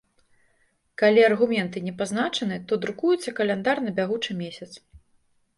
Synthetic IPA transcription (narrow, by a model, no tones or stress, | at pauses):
kalʲiɐrɣumʲɛnt̪ɨnʲɛpaznat͡ʂɐnɨt̪ɔd̪ɾukujut̪sːɐkɐlʲɛnd̪arnɐbʲaɣut͡ʂɨmʲesʲɐt̪s